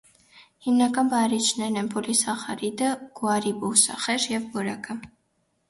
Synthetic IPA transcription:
himnakʼanbaɾit͡ʃʰnɛnɛnpʰulisaχaɾid̪əɡ̥waɾibusa̰χɛʃjɛvbɔɾakʰʼa

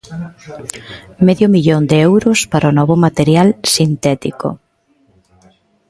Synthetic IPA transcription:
meðjʊmiʎond̪eɛwɾʊspaɾonɔβʊmat̪eɾjalsint̪ɛt̪iko̰

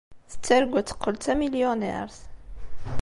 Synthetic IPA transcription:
θə̥t͡sːæɾɡʷæt͡sːə̥qʰːəlt̪æmiljonɛ̰ɾθ

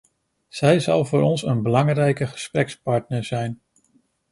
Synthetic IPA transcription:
z̥ɛjzɑlˠvʊːɾɔnsənbəlɑŋrɛjkəχə̥sprɛkspɑɹtnəɹzɛjn

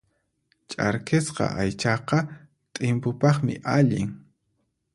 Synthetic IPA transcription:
t͡ʃʼaɾkesqɑ̰ʔajt͡ʃɑqɑ | t̪ʼɪmpʊpɑχmɪ̰ʔaʎɪŋ

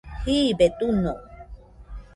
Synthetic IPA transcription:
hibet̪uno

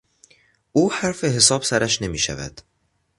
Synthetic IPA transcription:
ʔuːhæɾfe̞ɦe̞sɒːb̥sæɾæʃne̞miːʃæ̰væ̰d̪̥

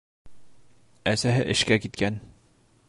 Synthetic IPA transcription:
æsæɦɘ̰ʔɘ̆ʃkækit̪kæn

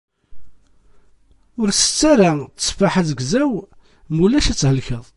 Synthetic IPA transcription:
ʊɾsə̥t͡sːæɾat͡sːə̥sfaħaðəɡzæw | mulːæʃæt͡sːhəlçəðˤ

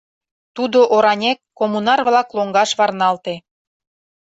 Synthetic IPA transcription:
t̪ud̪oʔoɾɑnʲekːomunɑrβlɑkloŋɡɑʃβɑrnɑlt̪e

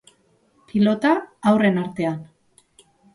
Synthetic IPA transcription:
pilo̞t̪aawre̞naɾt̪e̞an

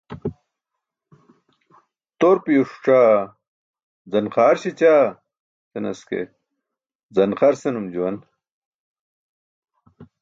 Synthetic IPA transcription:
t̪oɾpijoʂu̥ʈ͡ʂaː | d͡zɐnqaːɾɕet͡ɕaː | senɐ̰skḛ | zɐnqɐɾsenumd͡ʑuwɐn

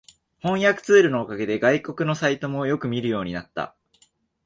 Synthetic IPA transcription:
hõ̞ɰ̃jakɯ̟̥t͡sɨːɾɯ̟no̞ːkaɡe̞d̪e̞ɡaiko̞kɯ̟no̞sait̪o̞mo̞jo̞kɯ̟mʲiɾɯjo̞ːɲ̟inat̪ːa̰

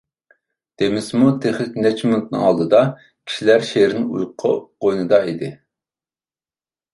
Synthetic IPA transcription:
d̪̥emɪsmut̪ʰeχlɪkʲnɛt͡ʃʰmunt̪̚nɨ̰ŋɑlˠd̪ɨd̪ɑ | kʲʰi̥ʃilæɾʃeɾɪnṵjqʰʊ̰qojnɨd̪ɑid̪ɪ

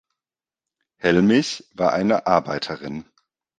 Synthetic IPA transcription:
hɛlmɪçv̥aːɐʔaɪnəʔaɐbaɪtʰəʁɪn

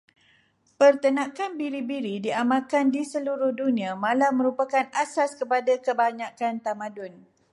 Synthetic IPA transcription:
pərt̪ənãkanbiɾibiɾidiamãkandisəluɾʊhdunĩamãlamə̃ɾupakanasaskəpadakəbaɲãkant̪amãdʊn

